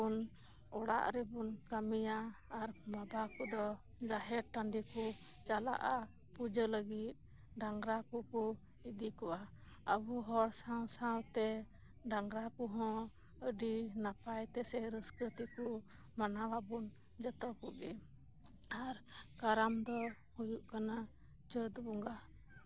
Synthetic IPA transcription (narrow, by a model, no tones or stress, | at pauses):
un | ɔɽa̰ʔɾɛbunkamijaːɾmabakud̪ɔ | d͡ʒaɦɛɾ̚ʈanɖiku | t͡ʃala̰ʔa | pud͡ʒələɡit̪̚ | ɖaŋɡɾakuku | id̪ikɔwa | əbuɦɔɽsãwsawt̪ɛ | ɖaŋɡɾakuɦɔ̃ | əɖinapajt̪ɛsɛɾəskət̪iku | manababun | d͡ʒət̪ɔkubɛ | aɾkaɾamd̪ɔ | hujuʔkana | d͡ʒəd̪bɔŋɡa